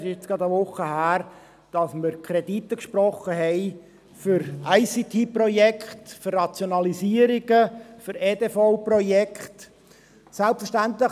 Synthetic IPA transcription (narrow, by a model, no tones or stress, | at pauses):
ʃɪt͡sɡ̥ɑd̪əʋʊχəhæːɾ | d̥ɑsməɾkʰɾɛditːəkʃpɾɔχəɦɛɪ | fʏɾæɪsit̪ʰiːprɔjɛkχtfʏrːɑt͡sjonɑlisiəɾiɡəfʏɾeːdefɔʊprɔjɛkχt | sælptfəɾʃtænt̪lə